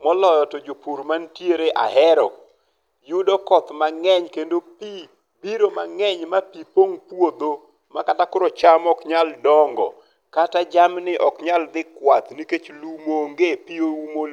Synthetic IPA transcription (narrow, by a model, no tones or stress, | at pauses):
mɔlɔjɔtod͡ʒopuɾmantjeɾeʔa̰hɛɾɔ | jʊdɔkɔt̪maŋɛɲkendopi | biɾomaŋɛɲmapipoŋpwod̪o | makatakʊɾot͡ʃamɔkɲaldɔŋɡɔ̰ | katad͡ʒamnɪʔɔkɲald̪ɪkwat̪niket͡ʃlumoŋɡepioumol